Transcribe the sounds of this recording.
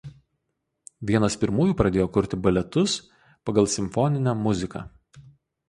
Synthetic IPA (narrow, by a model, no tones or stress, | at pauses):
ʋʲiɛnɐspʲɪɾmuːjuːpɾɐd̪ʲeːjoːkʊɾʲt̪ʲɪbɐlʲɛt̪ʊs | pɐɡɐlˠˑsʲɪmfɔnʲɪnʲæːmʊzʲɪkɑ̰ː